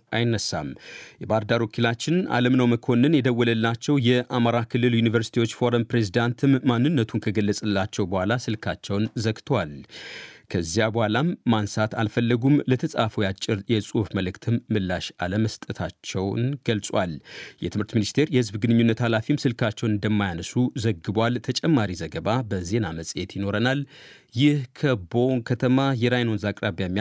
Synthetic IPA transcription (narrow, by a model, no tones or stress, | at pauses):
ʔajɪnːəsːa̰mjɛbaɾd̪aɾwokʰilat͡ʃːɪna̰ləmnəwməkʰo̞nːɨnjɛd̪əwːɔləlːat͡ʃːɛwjɛʔamaɾakʰɨlːɨljunivəɾsi̥t̪ʰiwo̞t͡ʃːfo̞ɾəmpɾe̞zid̪ant̪ʰɨmːanːɨnːət̪ʰunkʰəɡəlːəsʼɨlːat͡ʃːɛwbəhʷalasɨlkʰat͡ʃːɛwnzəkt̪ʰwal | kʰəzːjabəhʷalamːansat̪alfəlːəɡumlət̪ʰəsʼafəjat͡ʃʼːɪɾjɛsʼufməlɨkt̪ʰɨmːɨlːaʃaləməst̪ʼət̪ʰat͡ʃːɛwnɡəlsʼwaljɛ̰t̪ʰɨmhɨɾt̪minist̪ʰe̞ɾjɛhɨzbɡɨnɨɲːunːət̪halafimsɨlkʰat͡ʃːɛwnɨnd̪əmːajanəsuzəɡːɨbwalt̪ʰət͡ʃʼɛmːaɾizəɡəβabəze̞naməsʼjet̪jɪno̞ɾənal | jɪhkʰəbo̞ŋkʰət̪ʰəmajɛɾajno̞nzakʼɾaβjamː